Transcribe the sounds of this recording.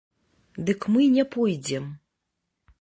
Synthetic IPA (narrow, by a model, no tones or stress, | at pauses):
d̪ɨkmɨnʲɛpɔjd͡zʲɛm